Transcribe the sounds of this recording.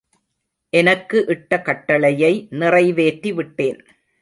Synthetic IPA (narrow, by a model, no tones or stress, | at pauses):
ʔɛnɐkːɯʔɪʈːɐkɐʈːɐɭɐjɐɪnɪrɐɪʋeːʈɾiʋɪʈːeːn